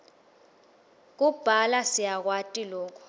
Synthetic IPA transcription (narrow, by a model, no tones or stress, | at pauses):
k̬ub̥ʱalasijak̬watʼilɔːk̬ʰʼɔ̥